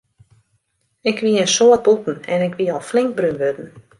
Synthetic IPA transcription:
ɪkʰʋiənsoət̚butn̩ɛ̰nɪkʋiɔlˠflɪŋk̚brynʋøtn̩

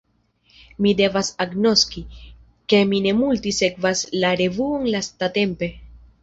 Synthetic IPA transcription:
mide̞vasaɡno̞ski | ke̞mine̞multise̞kvaslaɾe̞vuoŋlastate̞mpe̞

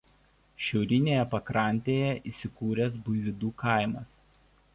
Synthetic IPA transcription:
ʃʲɛʊɾʲɪnʲeːjɛpɐkɾɐˑnʲt̪ʲeːjɛʔiːˑsʲɪkuːɾʲɛsbʊɪʋʲɪd̪uːkɐˑɪmɐs

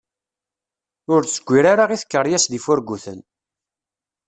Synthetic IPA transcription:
ʊɾsəɡʷːiɾaɾaʁiθə̥kːəɾˤjæsðifʊɾɡːuθə̰n

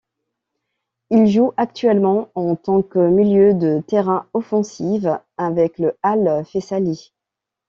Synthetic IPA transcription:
ilʒuʔak̚t̪ɥɛlmɑ̃ɑ̃t̪ɑ̃kəmiljød̪ət̪eʁɛ̃ɔfɑ̃siv | avɛkləalfesali

